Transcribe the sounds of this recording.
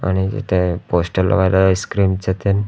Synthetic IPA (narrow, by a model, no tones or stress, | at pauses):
a̰ɽ̃id͡ʑḭt̪ʰeposʈəlːɔ̰ʋajlaskɾimt͡set̪ʰen